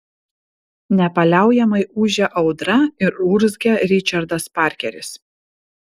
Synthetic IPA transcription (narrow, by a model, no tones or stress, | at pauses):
nʲɛpɐlʲæˑʊjɛmɐɪuːʒʲɛʔɒʊd̪ɾɐɪɾuɾzʲɡʲɛɾʲɪt͡ʃʲɐɾd̪ɐspɑˑɾʲkʲɛɾʲɪs